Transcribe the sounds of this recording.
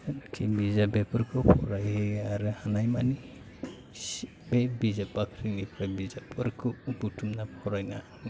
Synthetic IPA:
nkʰimbizabepuɾkopʰoɾajaɾɯhanajmani | s | bebizapakɾiŋipɾabizapʰuɾkʰubutumnapoɾajnahani

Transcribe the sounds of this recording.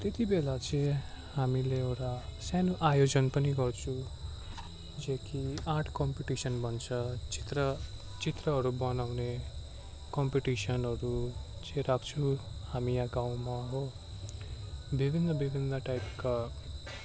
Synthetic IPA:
t̪et̪ibelat͡sʌ | hamileewʈasanoʔajod͡zʌnpʌniɡʌrt͡sʰu | d͡zʌkiãʈʰkʌmpiʈisʌnbʱʌnt͡sʰʌt͡sit̪rʌ | t͡sit̪rʌɦʌɾubʌnawne | kʌmpiʈisʌnɦʌɾut͡sʌ̃rakʰt͡sʰuhamijaɡaw̃maɦo | bibʱinːʌbibʱinːʌʈajpka

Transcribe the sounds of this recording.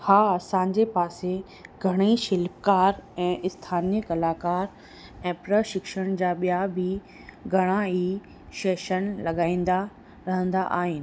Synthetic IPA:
haːɐsãːɲ̆d͡ʑepaːse | ɡʱɐɽ̃iʃɪlpkaːɾɛ̃ːʔɪst̪ʰaːnijəkɐlaːkaːɾ | ɛ̃ːpɾəʃɪkʃəɽ̃d͡ʑaːɓijabɪ | ɡʱɐɽ̃ãi | ʃeːʃənlɐɠaːĩːn̆d̪a | ɾɐɦə̃nd̪aʔa̰ːɦɪnɪ̆

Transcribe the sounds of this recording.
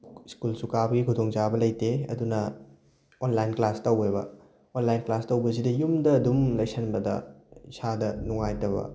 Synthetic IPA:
skulsukabɐɡikʰudoŋt͡ʃabɐlɐjteɐ̰dunɐ | onlajnklastɐwebɐ̰ | onlajnklastɐwbɐs̬idɐjumdɐːdumlɐksɐnbɐdɐ̰isadɐnuŋajtɐβɐ̰

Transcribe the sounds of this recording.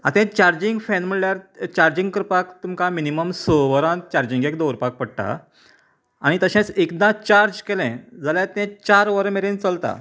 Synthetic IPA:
a̰t̪ɛ̃t͡ɕaɾd͡ʑiŋɡfɛ̃nm̤əɳljaɾt͡ɕaɾd͡ʑĩŋɡkəɾpakt̪umkãminiməmsəʋəɾãt͡ɕaɾd͡ʑĩŋɡekd̪owɾpak̚pəɽʈ̪a̰ | añit̪əɕɛ̃t͡sekd̪ãt͡ɕaɾd͡ʑkelɛ̃d͡zaljãt̪ɛ̃t͡ɕaɾʋəɾmeɾẽnt͡səlt̪a̰

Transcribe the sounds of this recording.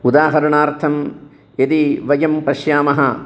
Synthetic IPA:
ud̪aːɦɐɾɐɳaːɾt̪ʰɐm | jed̪iʋɐjɐmpɐʃjaːmɐɦɐ

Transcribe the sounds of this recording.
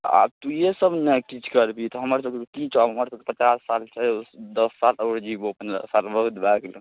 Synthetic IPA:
a̰b̚t̪ujesəbnekit͡ʃʰkəɾbit̪ɔɦəməɾsəbkekek̪ĩt͡ʃʰaɦəməɾsəbkepət͡ʃasːalt͡ʃʰɛsd̪əsːaləːɾd͡ʒibopən̰salbəɦut̪baɡlə

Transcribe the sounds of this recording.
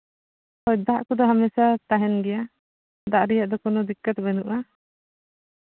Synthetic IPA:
hɔjd̪aʔkɔd̪ɔɦamɛsat̪aɦɛnɡɛja | d̪aʔɾijaʔd̪ɔkɔnɔd̪ikːət̪bɛnuʔa

